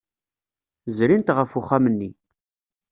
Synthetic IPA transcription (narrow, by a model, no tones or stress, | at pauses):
zɾint̪ʁəfʊχamənːi